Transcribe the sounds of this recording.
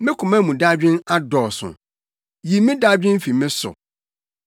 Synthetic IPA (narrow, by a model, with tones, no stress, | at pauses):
mɪ̃˦kʰʊ˨mã˦mũ˨da˦d͡ʑᶣɪ̃˦na˦dɔː˨sʊ̰̃˨ | ji˨mɪ̃˦da˦d͡ʑᶣɪ̃˦n˦fi˨mɪ̃˦sʊ̰˨